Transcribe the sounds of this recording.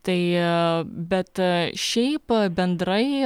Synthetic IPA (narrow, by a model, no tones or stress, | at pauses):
t̪ɐɪ | bʲɛt̪ʃʲɛɪpbʲɛnd̪ɾɐɪ